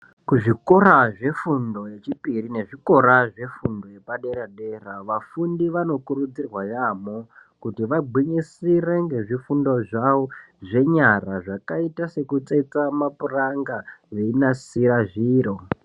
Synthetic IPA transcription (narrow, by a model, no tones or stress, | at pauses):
kuʐiko̞ɾaʐe̞fundo̞je̞t͡ʃipirine̞ʐiko̞ɾaʐe̞fundojepaɗe̞ɾaɗe̞raʋafundiʋano̞kurud͡zirwajamokutiʋaɡ͡bʱwiɲisire̞ŋɡe̞ʐifundo̞ʐawo | ʐe̞ɲaraʐakaitase̞kut͡seit͡samapuraŋɡaʋe̞inasiɾaʐiːɾo̞